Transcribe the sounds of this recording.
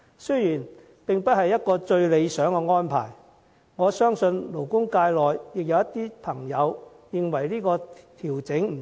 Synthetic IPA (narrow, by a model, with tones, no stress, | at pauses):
sɵ˥jjiː˨˩n | pɪ˨ŋpɐ˥t̚hɐ˨jːɐ˥t̚kɔː˧t͡ʃɵ˧ɥle˨˧jsœː˨˥ŋkɛː˧ŋɔː˥npʰa̰ː˨˩j | ŋɔː˨˧sœː˥ŋsɵ˧nlo˨˩wkʊ˥ŋkaː˧jlɔː˨jjɪ˨k̚jɐ˨˧wjɐ˥t̪ːiː˥pʰɐ˨˩ŋjɐ˨˧w | jɪ˨ŋwɐ˨˩jliː˥kɔː˧t̪ʰiː˨˩wt͡sɪ˨˥ŋm̩˨˩